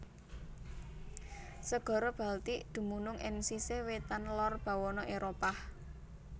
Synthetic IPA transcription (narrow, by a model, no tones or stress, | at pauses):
səɡ̥ɔ̤ɾɔb̥a̤lt̪id̪̥ṳmunʊŋʔɪ̰ŋsisewet̪anlɔrb̥ä̤wɔnɔʔeɾopah